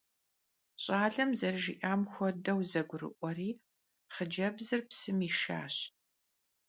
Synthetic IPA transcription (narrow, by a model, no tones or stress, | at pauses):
ɕʼaːɮɐmzɐrʒḭʔaːmxʷɔdɐwzɐɡʷʊrɨ̰ʔʷɔriː | χəd͡ʒɐbzɨrpsɨmiːʃa̰ːɕ